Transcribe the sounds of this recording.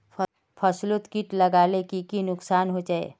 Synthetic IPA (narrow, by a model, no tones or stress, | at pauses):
pʰɐslʊt̪kiʈlɐɡaːlekikinʊksaːnɦod͡ʒaːḛː